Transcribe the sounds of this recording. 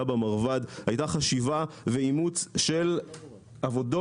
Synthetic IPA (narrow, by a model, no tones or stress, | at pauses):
abamaʁvadhajtaχaʃivaveimut͡sʃe̞l | avo̞do